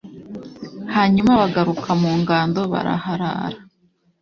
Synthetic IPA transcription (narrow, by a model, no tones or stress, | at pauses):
haːɲumaβaɡaɾukʰamuːŋɡaːndo̞βa̰ɾa̰haɾa̰ɾa